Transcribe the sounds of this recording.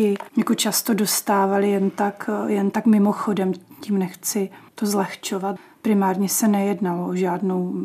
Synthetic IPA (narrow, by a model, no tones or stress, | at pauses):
ɪɲɛkot͡ʃast̪o̞do̞st̪aːvalɪjɛnt̪akjɛnt̪akmɪmoxo̞dɛmciːmnɛxt͡sɪt̪ozlɛxt͡ʃo̞vat̪ | pɾɪmaːɾɲɛsɛnɛjɛdnaloʔoʒaːdno̞w